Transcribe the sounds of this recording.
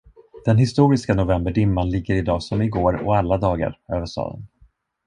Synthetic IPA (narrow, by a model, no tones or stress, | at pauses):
d̪̥ɛnɦɪst̪uːɾɪskanʊvɛmbəɖɪmːanlɪɡːəɾɪd̪ɑːsɔmɪɡoːɾɔ̰alːad̪ɑːɡa̰ɾøːvəʂtɑ̰ːd̪ə̰n